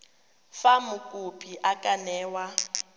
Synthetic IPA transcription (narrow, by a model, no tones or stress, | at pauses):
famʊkʼupʰiʔakʼanɛːwa